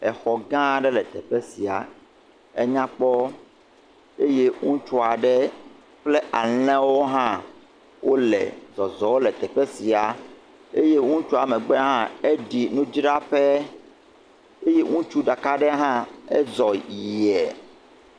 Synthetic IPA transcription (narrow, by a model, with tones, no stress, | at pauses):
ɛ˨xɔ˨ɡã˦ɖɛ˦lɛ˨t̪ɛ˨ɸe˦si˨a̰˨ | e˦ɲã˦k͡pɔ˦ | e˦je˦ŋũ˦t͡ʃu˦a˨ɖɛ˦ | ɸle˦ʔa˨l̃ɛ̃˦wo˦ɦã˦ | wʔo˦lɛ̰˨zɔ˨zɔ˨wo˦lɛ˨t̪ɛ˨ɸe˦si˨a˨ | e˦je˦ŋũ˦t͡ʃu˦a˨mɛ̃˨ɡ͡bɛ˦ɦã˦e˦ɖi˨nũ˦d͡ʒɖa˦ɸɛ˦ | e˦je˦ŋũ˦t͡ʃu˦ɖa˨ka˦ɖɛ˦ɦã˦ḛ˦zɔ˨ji˨ɛ˨